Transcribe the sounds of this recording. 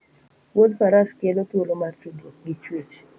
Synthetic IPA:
wodpaɾaskelotwolomatiɡoɡit͡ʃwet͡ʃ

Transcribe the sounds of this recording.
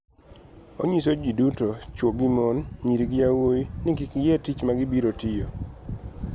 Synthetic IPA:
o̰ɲisod͡ʒidutot͡ʃwoɡimonɲiɾiɡjawoinɪkikjɛtit͡ʃmaɡɪbiɾotɪjo

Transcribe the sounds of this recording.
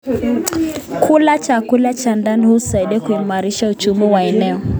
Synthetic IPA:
kʰulat͡ʃakulat͡ʃandanhusaiɗɛkuimaɾiʃaut͡ʃumiwaɛnɛɔ

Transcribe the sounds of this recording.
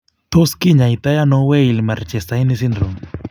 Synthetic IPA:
t̪oskiɲait̪ajanɔweilmart͡ʃɛsajnisindɾom

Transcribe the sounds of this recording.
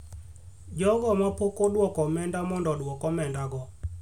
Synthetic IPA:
d͡ʒɔɡɔmapokodwɔkɔmɛndamɔndɔdwɔkɔmɛndaɡɔ

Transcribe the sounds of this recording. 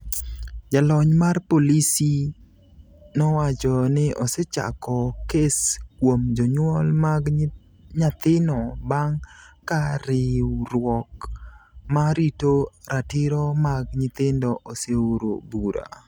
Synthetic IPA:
d͡ʒalɔɲmarpolisi | nɔwat͡ʃɔnɪʔɔsɛt͡ʃa̰kɔkeskwomd͡ʒɔɲwɔlmaɡ | ɲat̪ɪnɔbaŋkaɾɪwɾwɔk | maɾitoɾatɪɾɔmaɡɲɪt̪ɪndɔʔoseoɾo̰buɾa̰

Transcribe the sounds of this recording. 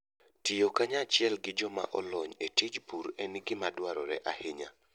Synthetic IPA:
tijokaɲat͡ʃɪɛlɡɪd͡ʒɔma̰ʔɔlɔɲetid͡ʒpuɾɛniɡɪmadwaɾɔɾɛʔahɪɲa̰

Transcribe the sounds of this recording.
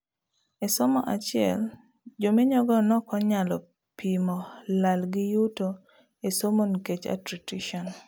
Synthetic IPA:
esɔmɔʔat͡ʃɪɛ̰l | d͡ʒomeɲɔɡɔnɔkɔɲalɔ | pimɔlalɡɪjuto | esomonket͡ʃa̰tɾitiʃɔn

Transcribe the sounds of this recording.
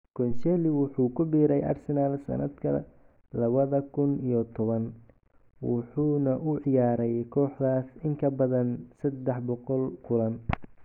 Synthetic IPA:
kʰɔnsɛːlɪwʊħuːkʰʊbiːɾɛjʔa̰rsɛnaːlsɐ̰nɐd̪kʰɐ̰ | lɐβɐðɐkʰʊnijɔt̪ʰɔβɐn | wʊ̰ħuːnɐʔʊʕɪjaːɾɛjkʰɔːħðaːsɪŋkʰɐbɐðɐnsɐd̪ːɛħbɔqɔlkʰʊlɐn

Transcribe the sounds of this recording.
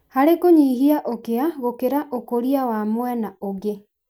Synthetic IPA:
haɾekoɲiːɦiaʔokeaɣokeɾaʔokoɾiawamowɛnaoɣe

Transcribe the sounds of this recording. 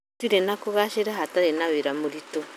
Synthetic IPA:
tiɾenakoɣaʃeɾaɦataɾenaweɾamoɾito

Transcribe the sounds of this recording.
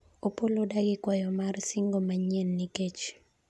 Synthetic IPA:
opolodaɡɪkwajɔmarsiŋɡomaɲɛnːiket͡ʃ

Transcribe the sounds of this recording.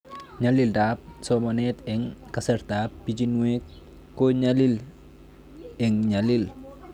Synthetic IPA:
ɲalildap̚somonɛtɛŋkaseɾdaːp̚ːid͡ʒinwek | kːoɲalil | ɛŋɲalil

